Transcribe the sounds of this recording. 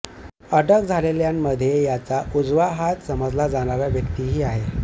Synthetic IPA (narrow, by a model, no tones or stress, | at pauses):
əɖəkd͡zʱaleljamːəd̪ʱjejat͡saʔud͡zʋaɦat̪səməd͡zʱlad͡zaɽaʋjaʋjəkt̪iːɦiːaɦe